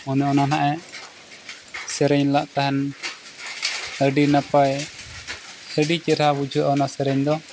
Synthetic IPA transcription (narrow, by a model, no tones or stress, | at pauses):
ɔnɛɔnanaʔɛ | sɛɾɛɲlaʔt̪aɦɛn | əɖinapaj | həɖit͡ʃɛɾhabud͡ʒʱuʔaɔnasɛɾɛɲd̪ɔ